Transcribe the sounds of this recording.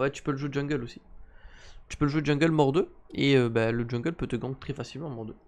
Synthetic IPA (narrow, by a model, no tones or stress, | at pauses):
wɛt̪y̥pøləʒuwed̪d͡ʒɔ̃ɡœlosi̥ | t̪y̥pøləʒuwed̪d͡ʒɛ̃ɡʲœlmɔʁd̪øeøbaləd͡ʒɔ̃ɡœlpøt̪əɡɑ̃ɡt̪χɛfasilmɑ̃mɔʁd̪ø